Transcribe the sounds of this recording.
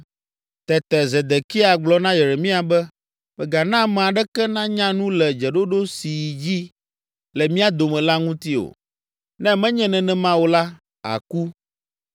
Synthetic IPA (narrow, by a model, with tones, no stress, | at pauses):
t̪ɛ˨t̪ɛ˨zɛ˨d̪ɛ˨ki˦a˨ɡ͡blɔ˦nã˦jɛ˨ɾe˨mĩ˦a˨bɛ˦ | mɛ˨ɡa˨nã˦mɛ̃˨a˨ɖɛ˦kɛ˦nã˦ɲã˦nũ˦lɛ˨d͡ʒɛ˨ɖo˦ɖo˦si˨d͡ʑi˦ | lɛ˨mĩ˦a˦d̪o˨mɛ̃˨la˦ŋũ˦t̪i˦o̰˨ | nɛ̃˦mɛ̃˦ɲɛ̃˦nɛ̃˨nɛ̃˨mã˦wo˦la˦ | a̰˨ku˦